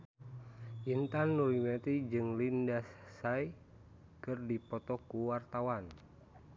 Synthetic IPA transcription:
ʔint̪anːuɾimɛt̪id͡ʒɨŋlindasːai | kɨrdipɔt̪ɔkuwart̪awan

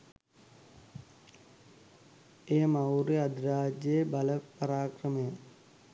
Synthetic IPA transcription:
eːmɐwɾeɐd̪ɾaːd͡ʒjeːbɐlɐpɐɾaːkɾɐme

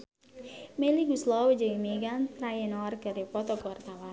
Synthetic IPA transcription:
meliɡuslɔwəd͡ʒaŋimeɡant̪ɾajenɔarɡəɾepɔt̪ɔkəwart̪awa

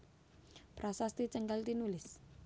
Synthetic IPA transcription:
pɾʔasast̪it͡ʃəŋkalt̪inulɪs

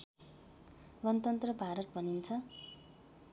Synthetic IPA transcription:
ɡʌnʌt̪ʌnt̪rʌbʱaɾʌt̪bʱʌnint͡sʰʌ

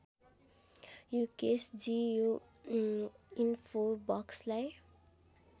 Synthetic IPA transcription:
jukesd͡zio | infʰobʌkslaj

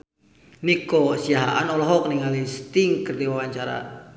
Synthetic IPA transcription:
nikɔsiaɦa̰ʔa̰nɔlɔɦɔk̚niŋalist̪iŋkərdiwawaɲt͡ʃaɾa̰

